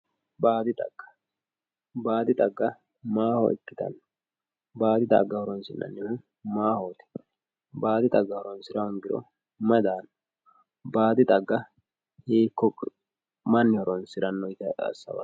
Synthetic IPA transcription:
baːd̪ɪt̪ʼɐ̰ɡ̥ːɐ̥ | baːd̪ɪt̪ʼɐɡːɐ | maːhɔ̰ʔɪ̰kːɪt̪ɐ̰n | baːd̪ɪt̪ʼɐ̰ɡːɐhɔɾɔnsɪnːɐ̰nːɪhʊ | maːhoːt̪ɛ̥ | baːd̪ɪt̪ʼɐɡːɐhɔɾɔnsɪɾɐwɔŋɡɪɾɔ̰ | mɐd̪aːn | baːd̪ɪt̪ʼɐɡːɐ | heːkːɔ | mɐnːɪhɔɾɔnsɪɾɐnːɔjt̪ɛɐ̰sːɐ̰wɐ̰

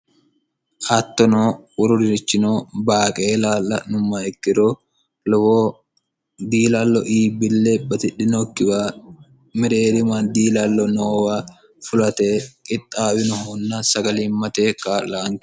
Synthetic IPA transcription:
ʔɐt̪ːɔnoːʊɾʊɾɪɪt͡ʃːɪnoːbaːkʼeːlaːlːɐ̰nʊmːaɪkːɪɾoː | lɔwoː | d̪iːlalːɔʔiːbɪlːeːbɐt̪ɪᶑɪnɔkːɪbaː | mɪɾeːɾɪmand̪iːlalːɔnoːwaː | fʊlɐt̪eːkʼɪt̪ʼːaːwɪnʊhunːasɐɡɐliːmɐt̪eːkaːlaːŋkɪ̥

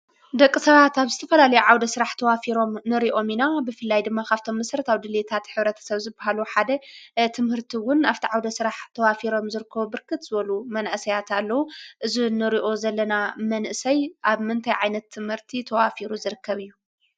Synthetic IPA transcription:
d̪ɐkʼːɨsɐβat̪aβzɨt̪ʰɐfɐlalɐjuʕawd̪ɐsɨɾaħt̪ʰɐwafiɾo̞mnɨɾiʔo̞minabɨfɨlːajd̪ɨmːakʰaβt̪ʰo̞mːɨsɾɐt̪ʰaβd̪ɨlet̪ʰat̪ħɨβɾɐt̪ʰɐ̥sɐβzɨbːaɦaluħad̪ɐt̪ʰɨmhɨɾt̪ʰiwʊnaft̪ʰiʕawd̪ɐsɨɾaħt̪ʰɐwafiɾo̞mzɨɾɨkʰːɐβubɨɾkʰɨt̪z̥ɨβɐlumɐnaʔsɐjat̪ʰalːɐwuʔɨzinɨɾiʔo̞zɐlːɐnamɐnʔɨsɐjʔaβmɨnt̪ʰɐjʕajnɐt̪ʰːɨmhɨɾt̪ʰit̪ʰɐwafiɾuzɨɾɨkʰːɐβɨjːu

